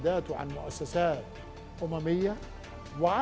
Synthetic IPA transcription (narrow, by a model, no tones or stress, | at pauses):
d̪aːt̪ʊʕa̰nmʊʔasːasaːt̪ | ʔʊmamɪjːa | wɪʕa